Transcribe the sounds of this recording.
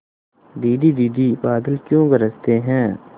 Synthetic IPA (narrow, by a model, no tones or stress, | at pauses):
d̪iːɖ̪id̪iːd̪ibaːd̪əlkjõɡəɾəst̪eɦɛ̃ː